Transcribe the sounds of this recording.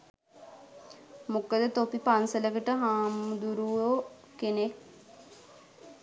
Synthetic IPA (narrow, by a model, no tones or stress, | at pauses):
mukəd̪ət̪opipansələkəʈəɦaːmud̪uɾuʋo | kenek̚